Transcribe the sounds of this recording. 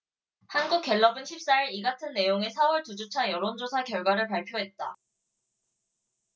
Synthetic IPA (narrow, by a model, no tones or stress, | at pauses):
hanɡuk͈̚e̞ɭːʌbɯnɕʰip̚s͈aiɾiɡatʰɯnːe̞joŋe̞sʰawʌɭtud͡ʑut͡ɕʰajʌɾond͡ʑosʰakjʌɭɡwaɾɯɭpaɭpʰjoɦe̞t̚t͈a